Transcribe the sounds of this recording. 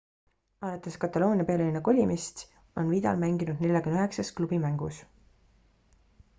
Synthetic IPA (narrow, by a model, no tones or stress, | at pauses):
ɑlɑt̪ːˑeskɑt̪ːˑɑlo̞ːnʲiɑpe̞ːleinːɑko̞lʲimist̪ | o̞nviːd̪̥ɑ̰lmæŋɡ̥inud̪ne̞lʲjɑkymnøeksɑsklub̥imæŋɡus